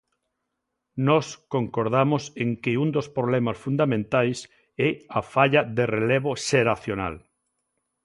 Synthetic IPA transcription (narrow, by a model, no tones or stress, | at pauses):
nɔskoŋkoɾðamoseŋkɪund̪ospɾoβlɛmasfund̪amẽnt̪ajs | ɛafaʎaðerelɛβoʃeɾaθjona̰l